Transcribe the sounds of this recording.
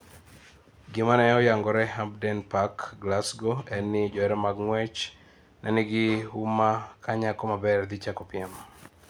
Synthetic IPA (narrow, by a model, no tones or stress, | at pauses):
ɡɪmanɛɔjaŋɡɔɾɛɦabdɛnpakɡlasɡoɛnːɪd͡ʒɔɛɾɛmaɡŋwɛt͡ʃ | nʔɛ̰nɪɡɪumakʰaɲakɔmabɛrd̪ɪt͡ʃakɔpɪɛm